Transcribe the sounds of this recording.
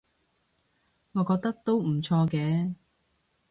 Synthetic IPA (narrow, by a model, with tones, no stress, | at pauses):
ŋɔː˨˧kɔː˧k̚t̪ɐ˥k̚t̪o˥wm̩˨˩t͡sʰɔː˧kɛː˨˧˦